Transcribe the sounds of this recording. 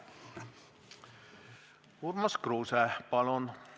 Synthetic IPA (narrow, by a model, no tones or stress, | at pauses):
urmɑskruːsæpɑlon